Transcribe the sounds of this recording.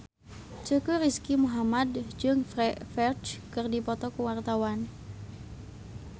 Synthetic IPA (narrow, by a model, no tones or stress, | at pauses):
t͡ʃəkuɾiskimuɦamad̚d͡ʒɨŋfrɛfɛrt͡ʃkɨrdipɔt̪ɔkuwart̪awan